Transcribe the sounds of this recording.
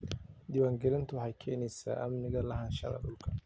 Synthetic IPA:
d̪ɪwaːŋɡɛlɪnt̪ʰʊwħɑjkʰɛːnɛjsa̰ːʔɐmnɪɣɐlɐɦɐnʃɐ̰ðɐ̰ɗʊlkʰɐ

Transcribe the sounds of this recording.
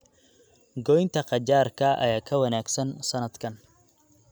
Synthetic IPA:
ɡɔjnt̪ʰɐqɑt͡ʃaːrkʰɐʔɐ̰jaːkʰɐwɐnaːɡsɐnsɐnɐd̪kʰɐn

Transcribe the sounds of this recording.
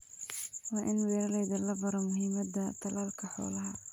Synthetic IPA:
wɑːʔɪnwɛːɾɐlɛjðɐlɐbɐɾɐmʊɦɪmɐd̪ɐt̪ʰɑlaːlkʰɐħɔ̰ːlɐɦɐ

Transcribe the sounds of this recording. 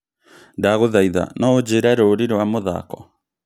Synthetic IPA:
daɣoðaiða̰nɔod͡ʑeɾaɾoɾiɾowamoða̰kɔ

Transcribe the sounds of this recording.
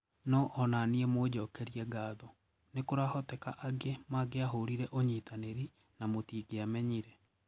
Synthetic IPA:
nɔʔɔnaniɛmod͡ʑɔkɛɾiɛɡaːðɔ | nekoɾahɔtɛkaʔaɡemaɡeaɦoɾiɾɛʔoɲiːtaneɾi | namotiːɡeamɛɲiɾɛ

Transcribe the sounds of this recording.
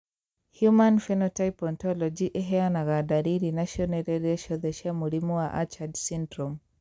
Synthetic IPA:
hjumanfɛnɔtaipɔntɔlɔd͡ʒiʔɛɦɛanaɣadaɾiɾinaʃɔnɛɾɛɾɛʃɔðɛʃamulimɔwaʔat͡ʃadsindɾɔm

